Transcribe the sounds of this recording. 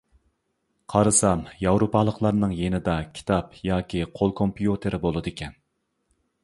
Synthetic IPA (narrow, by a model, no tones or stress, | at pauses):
qʰɑɾɨsɑmjɑwɾopʰɑːlˠəqlˠɑɾnɨŋjenɪd̪ɑkʲʰi̥t̪ʰɑpjɑːkʲʰiqʰolˠkʰompjut̪ʰeɾɪbolˠɨd̪ɪkʲʰɛn